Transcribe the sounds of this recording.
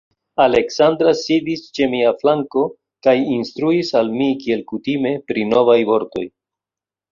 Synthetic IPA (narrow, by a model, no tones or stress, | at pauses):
ale̞ksand̪ɾasidist͡ʃe̞miaflaŋko̞ | kajinst̪ɾuisalmikie̞lkutime̞pɾino̞vajvo̞ɾto̞̰j